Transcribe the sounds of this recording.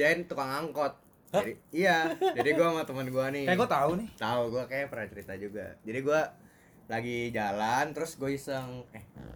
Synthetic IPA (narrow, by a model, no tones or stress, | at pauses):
aɪnt̪ukaŋaŋkɔt̪̚ | adiːjad͡ʒadiɡuamat̪əmənɡuanɪkajaɡuat̪aunɪt̪auɡuakajapəɾat͡ʃəɾit̪ad͡ʒuɡa̰d͡ʒadiɡua | laɡid͡ʒalant̪əɾʊsɡuaisəŋɛ